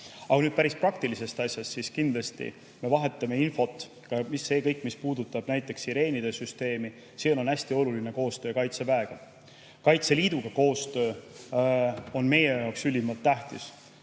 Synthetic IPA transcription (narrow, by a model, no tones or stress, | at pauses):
ɑkɑnyːd̪̚pæɾisprɑk̚t̪ilise̞st̪ɑsʲjɑst̪siskind̪lɑst̪ḭ | me̞vɑɦe̞t̪ːˑɑme̞info̞t̪ːˑ | kɑmisːe̞ːkɤjkːˑmispuːd̪ut̪ːˑɑb̥næjt̪ˑːe̞ksiɾe̞ːnid̪̥e̞syst̪e̞ːmi | seno̞næsʲt̪io̞luline̞ko̞ːst̪øːkɑjt̪sevæe̞ɡ̥ɑ | kɑjt̪se̞liːd̪̥uɡ̥ɑko̞ːst̪ø̞ː | o̞nme̞je̞jɑwksylʲimɑlt̪ːæht̪ḭs